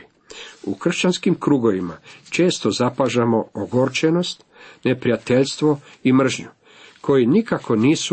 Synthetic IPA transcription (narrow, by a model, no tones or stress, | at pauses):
ṵkr̩ʃt͡ɕanskimkɾuːɡo̞ʋima̰t͡ʃe̞ːst̪o̞zapaʒamo̞oɡoɾt͡ʃeno̞st̪ | nepɾijat̪eʎst̪ʋoimr̩ʒɲu | kʰo̞jinikako̞niːsu